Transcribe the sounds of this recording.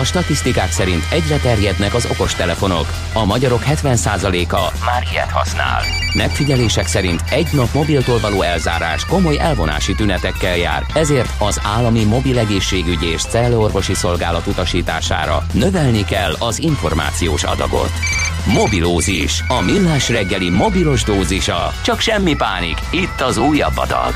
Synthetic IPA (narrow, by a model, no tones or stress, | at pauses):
ɒʃt̪ɒt̪ist̪ikaːksɛɾint̪ɛɟrɛt̪ɛrjɛd̪nɛkɒzo̞̰ko̞ʃt̪ɛlɛfo̞no̞̰k | ɒmɒɟɒɾo̞khɛt̪ʋɛnsaːzɒleːkɒmaɾijɛ̰t̪hɒ̰sna̰ːl | mɛkfiɟɛleːʃɛksɛɾint̪ɛɟnɒpmo̞bilt̪oːlvɒloːɛlza̰ːɾa̰ːʃko̞mo̞jɛlvo̞na̰ːʃit̪ynɛt̪ɛkːɛlja̰ːrɛzeːrt̪ɒzaːlːɒmimo̞bilɛɡeːʃːeːɡyɟieːʃt̪sɛlːøo̞rvo̞ʃiso̞lɡaːlɒt̪ut̪ɒʃiːt̪aːʃa̰ːɾɒ̰nø̞vɛlnikɛ̰lːɒziɱfo̞rma̰ːt̪sijoːʃɒ̰d̪ɒ̰ɡo̞̰t̪ | mo̞biloːzḭʃɒmilːaːʃrɛɡːɛlimo̞bilo̞ʒd̪oːziʃɒ̰t͡ʃɒkʃɛmːipaːnḭkit̪ːɒzuːjːɒbːɒ̰d̪ɒ̰ɡ